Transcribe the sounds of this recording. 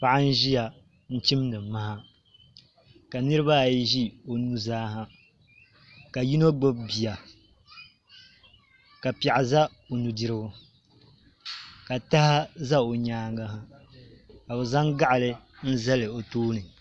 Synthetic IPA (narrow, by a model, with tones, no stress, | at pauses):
pa˦ʔa˦n̩˦ʒi˦ja˨ | n̩˦t͡ʃi˦m˦nɨ˨ma˦ɦa˦ | ka˨nɨ˦ɾɨ˦ba˦˨jʒi˦o˨nu˦zaː˦ɦa˦ | ka˨ji˦no˦ɡ͡bo˦bbi˨ja˨ | ka˨pa˨ʔa˨za˦ | o˨nu˨dɨ˦ɾɨ˦ɡo˦ | ka˨ta˦ha˦za˦o˨ɲaː˦ŋɡa˦ɦa˦ | ka˨bɨ˨za˦ŋɡa˦ʔa˨lɨ˦n̩˦za˦lɨ˨o˨toː˦nɨ˨